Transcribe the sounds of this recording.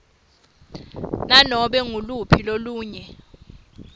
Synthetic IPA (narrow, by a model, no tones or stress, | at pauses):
nanɔɓɛŋulupʰiloluːɲɛ